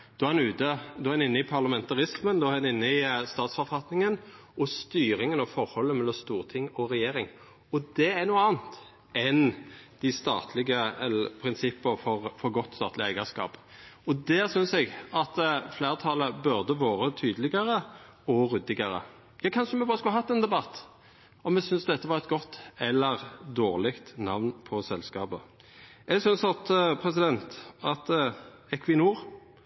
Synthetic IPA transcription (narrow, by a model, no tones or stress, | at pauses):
d̪̥ʉɑɛnʉːt̪əd̪ʉɑɛnɪnːəɪpʰɑʁlɑmɛnt̪ɑʁɪsmənd̪ɔɛnɪnːəɪst̪ɑːt̪sfɔɾfɑt̪nɪŋənɔst̪yːɾɪŋənɑʋfɔɾhɔlːəmɛlːɔmst̪uːʁt̪ʰɪŋːɔɾɛjeːɾɪŋ | ɔd̪ɛæɾnuːəɑːnt̪ | ɛnd̪̥ɪst̪ɑ̰ːt̪ʰlɪɡəɛlpʰɾɪnsɪpːəɾfɔʁfɔɾɡɔt̪ːst̪ɑːt̪lɪæɪɡəskɑ̰ːpɔd̪æːsʏnsɛɡɑt̪fleːʁt̪ʰɑːləbʉʁd̪əʋoːɾət̪ʰyːd̪əlɪɡəɾə | ɔɾʉd̪ɪɡəɾə̰ | jɑːkʰɑnʃəmɛbɑːɾəskʉlhɑt̪ːɛnd̪ɛbɑt̪ː | ɔmɛsʏnsd̪ɛt̪ːəʋɑːɾɛt̪ɡɔt̪ːɛlːəʁd̪oːʁlɪkt̪nɑʋnpʰɔsɛlskɑːbə | ɛɡsʏnsɑt̪pʰɾɛs̬ɪd̪ɛnt̪ɑt̪ | ɛkʰʋɪnuːɾ